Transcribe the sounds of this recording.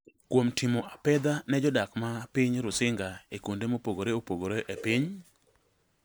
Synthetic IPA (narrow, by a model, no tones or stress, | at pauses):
kwomtʰimoʔapɛd̪anɛd͡ʒɔdakmapɪɲɾʊsɪŋɡaekundemopoɡoɾeopoɡoɾeʔepɪɲ